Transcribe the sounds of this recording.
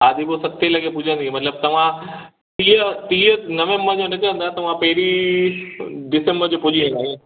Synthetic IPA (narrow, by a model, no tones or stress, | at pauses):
aːd̪ʱibosɐt̪ʰːelɐɡepʊd͡ʑʱə̃nd̪ĩmɐt̪ləb̚t̪ɐʋ̤ã | t̪iːət̪iːənɐʋẽːmbəɾd͡ʑonɐkɐɾə̃nd̪at̪ɐʋ̤ãpɐɦɪɾi | ɖɪsẽmbəɾd͡ʑopʊd͡ʑʱiẽaːɦẽ